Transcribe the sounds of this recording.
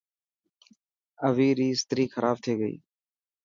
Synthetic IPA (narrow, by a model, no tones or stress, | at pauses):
əʋiːɾiːst̪ɾiːxʰəɾʔaːb̚t̪ʰeːɡəḭː